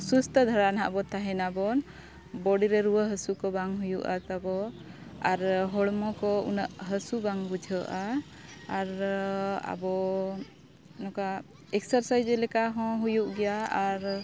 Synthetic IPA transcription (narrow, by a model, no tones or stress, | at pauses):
sust̪ʰəd̪ʱaɽanɦa̰ʔbɔt̪aɦɛnabɔn | bɔɽiɾɛɾuwəɦəsukɔbaŋɦujuʔa̰t̪abɔ | aɾɦɔɽmɔkɔṵnəʔɦəsubaŋbud͡ʒʱəʔa | aɾ | a̰bɔ | nɔka | ɛksəɾsajd͡ʒɛlɛkaɦɔ̃ɦujuʔɡɛjaaɾ